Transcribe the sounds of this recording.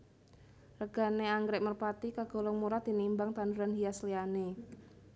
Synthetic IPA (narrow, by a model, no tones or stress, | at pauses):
rəɡ̥a̤neaŋɡɾɛʔmərpat̪ikaɡ̥o̤lɔŋmuɾad̪̥i̤nimbaŋt̪anduɾanɦijasliane